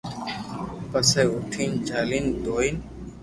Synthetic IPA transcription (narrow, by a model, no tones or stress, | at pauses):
pəseːʊʈʰiːnd͡ʒʱaːliːnd̪oːin